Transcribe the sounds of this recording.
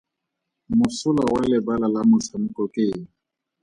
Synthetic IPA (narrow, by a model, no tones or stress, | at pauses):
mʊsʊlawalɪbalalamʊt͡sʰamʊkʼɔkʼeːŋ̩